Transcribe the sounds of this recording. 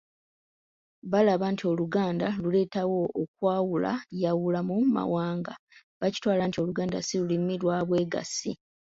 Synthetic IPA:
βalaβaːntʰio̞luɡaːndalule̞ːtawo̞ok̚waːwula̰jawulamuma̰waːŋɡa | βaci̥twaːlantio̞luɡaːnda̰silulimːilwaβwe̞ːɡa̰sḭ

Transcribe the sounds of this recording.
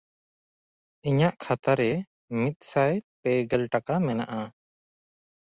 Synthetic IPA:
iɲaʔkʰat̪aɾɛ | mit̪̚ˀsajpɛɡɛlʈakamɛnaʔa

